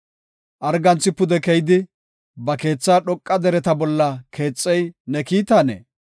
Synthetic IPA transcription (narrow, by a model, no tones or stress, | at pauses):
ʔɐɾɡɐnt͡sːɪpʊd̪ɛkɛjɪd̪ɪ | bɐke̞ːt͡sːaːɗɔkʼːɐd̪ɛɾɛt̪ɐbɔlːɐkʰe̞ːt͡sʼːɛjnɛkiːt̪anḛ